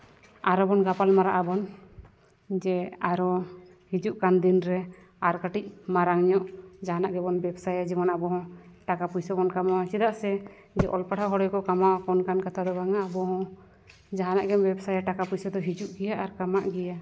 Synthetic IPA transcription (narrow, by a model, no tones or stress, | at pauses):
aɾɔbɔnɡapalmaɾaʔabɔn | d͡ʒɛaɾɔ | hid͡ʒuʔkand̪inɾɛ | aɾkaʈic̚maɾaŋɲɔʔd͡ʒaɦanaʔɡɛbɔnbɛbsajad͡ʒɛmanabɔɦɔ̃ʈakapujsɔbɔnkamaɔ̃t͡ʃid̪aʔsɛ | d͡ʒɛʔɔ̰lpaʈʰaɦɔɽɔjkɔkamakɔnkankat̪ʰad̪ɔbaŋaːbɔɦɔ̃ | d͡ʒaɦanaʔɡɛmbɛbsajaʈakapujsɔd̪ɔɦid͡ʒuʔɡɛjaʔaɾkamaʔɡɛja